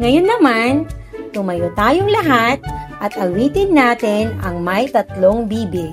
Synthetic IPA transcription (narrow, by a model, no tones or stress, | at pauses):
ŋɐjonːɐman | t̪ʊŋmɐjot̪aːjoŋlɐɦat̪̚ʔɐt̪ɐwiːt̪ɪnːaːt̪ɪnɐ̰ŋmɐjt̪ɐt̪loŋbiːbɪ